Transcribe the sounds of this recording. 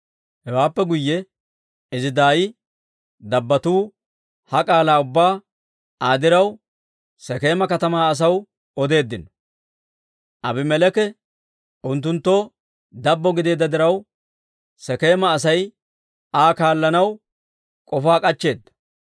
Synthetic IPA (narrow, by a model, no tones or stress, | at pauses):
hɛwaːpːɛɡʊjːɛ | ɪzɪd̪aːjɪ | d̪ɐbːɐt̪uː | hɐkʼaːlaːʊbːaː | aːd̪ɪɾɐw | sɛke̞ːmɐkɐt̪ɐmaːɐs̬ɐw | ɔd̪e̞ːd̪ːɪnɔ̥ | ʔɐbɪmɛlɛkɛ | ʔʊnt̪̬ːʊnt̪ːo | d̪ɐbːɔɡɪd̪e̞ːd̪ːɐd̪ɪɾɐw | sɛke̞ːmɐːs̬ɐj | aːkaːlːɐnɐw | kʼɔfaːkʼɐt͡ʃːe̞ːd̪ːɐ̥